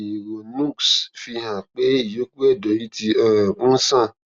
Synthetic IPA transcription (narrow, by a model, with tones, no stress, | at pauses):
i˨wo˨nũ˦˨ksfi˧ɦã˨k͡pe˦˨jo˦ku˦ɛ˦˨dɔ˨ji˦ti˧ɛ˦˨ŋ̩˦sã˦